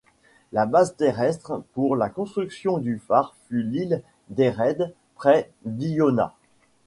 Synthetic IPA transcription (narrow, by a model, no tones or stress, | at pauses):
labazt̪eʁɛst̪χpuʁlakɔ̃st̪χyksjɔ̃d̪yfaʁfylil | d̪eʁɛd̪ | pχɛ | vijona̰